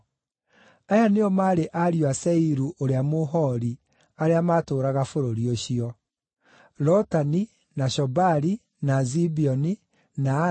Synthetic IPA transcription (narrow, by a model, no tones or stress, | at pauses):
ajaneɔmaːɾeʔaɾjwasɛiɾuʔoɾeamoɦɔɾi | aɾeamaːtoːɾaɣafoɾoɾioɕiɔ | ɾɔtani | naɕɔbaɾi | nazibiɔni | na